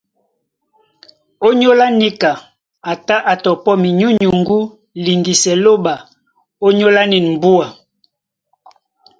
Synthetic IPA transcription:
o˦ɲo˦la˦ni˦ka˨ | a˨ta˦ʔa˨tɔ˨pɔ˦mi˨ɲu˦ɲu˨ŋɡu˦ | li˨ŋɡi˨sɛ˨lo˦ba˨ | o˦ɲo˦la˦ni˨nm̩˨bu˦a˨

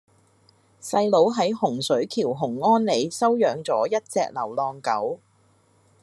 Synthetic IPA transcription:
sɐ˧jlo˨˥wɦɐ˨˥jhʊ˨˩ŋsɵ˨˥ɥkʰiː˨˩wɦʊ˨˩ŋːɔː˥nle˨˧jsɐ˥wjœː˨˧ŋt͡sɔ̰ː˨˥jɐ˥t̚t͡sɛː˧k̚lɐ˨˩wlɔː˧ŋkɐ˨˥w

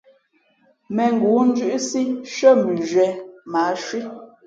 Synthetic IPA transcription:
mɛ˨ŋ˨ɡu˨˦n̩˦d͡ʒʉ˦ʔsi˦ʃə˦˨m˨bʉ˨ʒɥɛ˨ma˨˦ʃwi˦

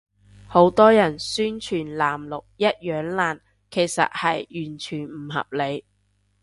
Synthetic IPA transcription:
ho˨˥wt̪ɔː˥jɐ˨˩nsyː˥nt͡ʃʰyː˨˩nlaː˨˩mlʊ˨k̚jɐ˥t̚jœː˨˧˥ŋlaː˨˩n | kʰe˨˩jsɐ̰˨t̚hɐ˨jjyː˨˩nt͡ʃʰyː˨˩nm̩˨˩ɦɐ̰˨p̚le˨˧j

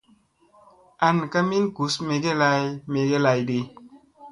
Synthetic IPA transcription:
a˨n˨ka˦mi˦nɡu˨˦sme˧ɡe˦la˧˦jme˨ɡe˦la˧jde˧

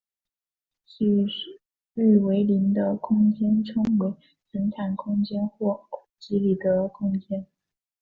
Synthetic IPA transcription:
t͡ɕi˥˩˥ | y˥˩we˧˥ɪli˧˥nd̪ə˧kʰʊ˥ŋt͡ɕjɛ˥nʈ͡ʂʰɤ˥ŋwe˧˥ɪ | sə˧˥nt̪ʰa˨˩nkʰʊ˥ŋt͡ɕjɛ˥nxwɔ˥˩˨t͡ɕi˧˥li˨˩d̪ə˦kʰʊ˥ŋt͡ɕjɛ˥n

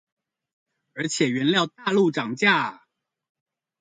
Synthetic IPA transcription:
ə˞˧˥t͡ɕʰjɛ˨˩ɥɛ˧˥nljɑ˥˧ʊt̪a˥˧lu˥˩ʈ͡ʂɑ˨˩ŋt͡ɕja˥˩

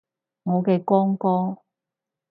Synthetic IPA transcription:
ŋɔː˨˧ke˧kɔː˥ŋkɔː˥

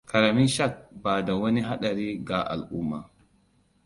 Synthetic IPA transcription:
ka˨ɾa˨mi˦ʃa˦˨k̚baː˨da˨wɐ˦ni˦ɦa˦ɗa˨ɾi˦ɡa˨ʔa̰˨lʔu˦mːa˨

